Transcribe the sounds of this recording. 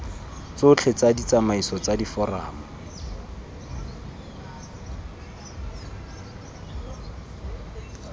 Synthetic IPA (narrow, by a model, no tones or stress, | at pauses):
t͡sʊt͡ɬʰet͡sadit͡samaisɔt͡sadifɔra̰ːmɔ